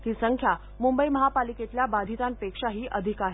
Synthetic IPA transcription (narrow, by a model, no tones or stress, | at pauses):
t̪iːsəŋkʰja | mumbəiməɦapaliket̪ljabad̪ʱit̪anpekʂaɦiːʔəd̪ʱikaɦe